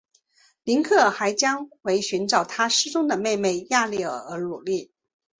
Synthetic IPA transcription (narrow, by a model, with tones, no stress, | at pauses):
li˧˥nkʰɤ˥˩xa˧˥ɪt͡ɕjɑ˥ŋxwe˧˥ɪɕy˧˥nʈ͡ʂɑ˨˩ʊt̪ʰa˥ʂɻ̩˥t͡sʊ˥ŋd̪ə˨me˥˧ɪme˥˧ɪja˥˧li˥˩ə̰˞˨˩ə˧˥nu˨˩li˥˩